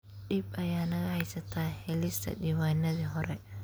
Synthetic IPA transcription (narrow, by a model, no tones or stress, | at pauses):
ɗɪbɐjaːnɐɣɐhɐjsɐt̪ʰaːhɛlɪst̪ʰɐ̰ɖiwaːjnɐðiɦɔɾɛ